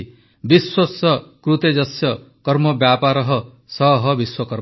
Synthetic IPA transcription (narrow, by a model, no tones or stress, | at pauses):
biswosɔkɾut̪ed͡ʒɔsjɔ | kɔɾmɔbjapaɾɔɦɔ | sɔɦɔbiswɔkɔɾ